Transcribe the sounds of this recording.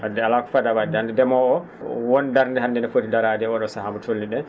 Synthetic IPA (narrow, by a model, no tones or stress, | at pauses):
ʔadɛalakɔ̥fadabadandɛdɛmɔɔ | wɔndaɾndɛhandɛnɛfodidaɾadɛɔɗɔsahamutʰolːiɗɛn